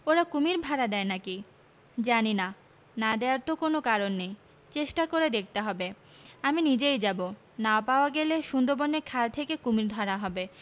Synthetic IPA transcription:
oɾakumiɾbʱaɾad̪ɛenaki | d͡ʑanina | nad̪eaɾt̪okonokaɾonːej | t͡ɕeʃʈakoɾed̪ek̚ʰt̪eɦɔbe | aminid͡ʑejd͡ʑabo | naopaoaɡeleʃund̪oɾbonːeɾkʰalt̪ʰekekumiɾd̪ʱɔɾaɦɔbe

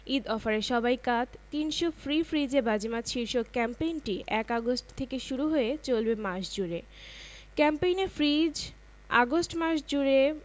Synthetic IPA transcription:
id̪ɔfaɾeɾʃɔbajkat̪ʰt̪inʃofɾifɾid͡ʑeɾbad͡ʑimat̪ʃiɾʃokɛmpejnʈiɛkaɡosʈt̪ʰekeʃuɾuɦoet͡ɕolbemaʃd͡ʑuɾe | kɛmpejneɾfɾid͡ʑ | a̰ɡosʈmaʃd͡ʑuɾe

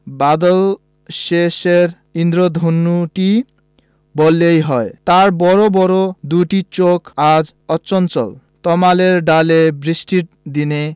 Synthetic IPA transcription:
bad̪ɔl | seseɾ | ind̪ɾɔd̪ʱonːuʈi | bɔlejɦɔet̪aɾbɔɾobɔɾod̪uʈit͡ʃokad͡ʒ | ɔːt͡ʃɔnt͡ʃɔ̰l | t̪ɔmaleɾɖalebɾisʈiʈ̚ | d̪ine

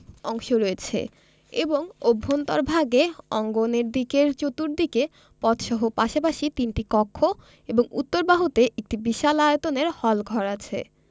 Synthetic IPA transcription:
ɔŋʃoɾojet͡ɕʰḛ | eboŋobʱːont̪ɔɾbʱaɡeɔŋɡoneɾd̪ikeɾt͡ɕot̪uɾd̪ike | pɔt̪ʃɔɦopaʃapaʃit̪inʈikɔkʰːo | eboŋut̪ːoɾbaɦut̪eʔek̚ʈibiʃalaet̪oneɾhɔlɡʱɔɾat͡ɕʰḛ

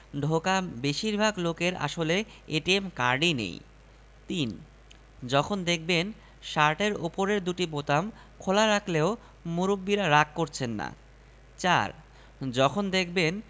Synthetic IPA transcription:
ɖʱokabeʃiɾbʱaɡlokeɾa̰ʃoleeʈiemkaɾɖinḛj | t̪in | d͡ʑɔkʰond̪ek̚ʰben | ʃaɾʈeɾopoɾeɾd̪uʈibot̪am | kʰolaɾakʰleo | muɾubːiɾaɾakːoɾt͡ɕʰenːa̰ | t͡ɕa̰ɾ | d͡ʑɔkʰond̪ekʰben

